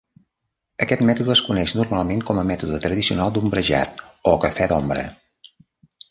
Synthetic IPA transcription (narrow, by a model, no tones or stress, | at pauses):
əkɛt̪mɛt̪uðəəskunɛʃnurmalˠmeŋkɔməmɛt̪uðət̪ɾəðisiunalˠd̪umbɾəʒa̰t̪okəfɛd̪ɔmbɾə̰